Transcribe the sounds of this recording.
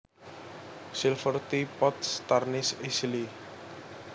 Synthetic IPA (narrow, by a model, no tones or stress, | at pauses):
selfʰɔɾt̪ipɔt̪st̪aɾnisisli